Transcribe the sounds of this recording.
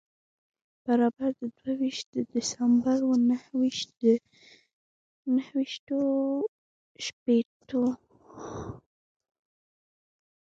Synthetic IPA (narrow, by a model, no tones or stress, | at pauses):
b̥aɾɑbaɾd̪əd̪wawiʃt̪̚d̪əd̪ɪsambaɾwənahwiʃ | nəhwiʃt̪o | ʃpet̪o